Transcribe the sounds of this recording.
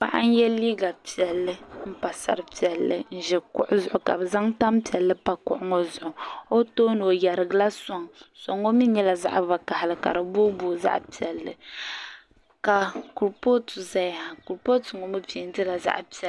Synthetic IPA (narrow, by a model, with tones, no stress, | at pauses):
pa̰˦ʔa̰˦n̩˦jɛ˦liː˦ɡa˨pi˨ɛ˨lːɨ˦m̩˦pa˨sa̰˨ɾɨ˦pi˨ɛ˨lːɨ̰˨n̩˦ʒɛ˨kʊ̰˨ʔʊ˦zʊ˨ʔʊ˨ka̰˨bɨ˨za˦ŋta˦mpi˨ɛ˨lːɨ˦pa˦kʊ̰˨ʔʊ˦ŋɔ˦zʊ˨ʔʊ˨o˦toː˦no˨ja˨ɾɨ˨ɡɨ˨la˦sɔ˨ŋsɔ˨ŋo˦mi˦ɲɛ˦la˨za̰˦ʔba˨ka˨ha˨lɨ˨ka̰˨ɾɨ˨bo˦bo˦˨za̰˦ʔpi˨ɛ˨lːɨ̰˨ | ka˨ku˨ɾpo˦tu˨za˦jha˨ku˨ɾpo˦tɨ˨ŋɔ˨mɨ˦pi˨˦n˦tɨ˦la˨za̰˦ʔpi˨ɛ˨